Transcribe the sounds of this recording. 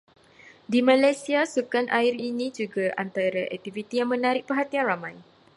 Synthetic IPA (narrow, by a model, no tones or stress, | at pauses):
dimãlajsiasukanʔairinĩd͡ʒuɡaʔant̪aɾaʔɛ̰k̚t̪ivit̪ijaŋmə̃naɾɪʔ̚pəɦat̪ianramãj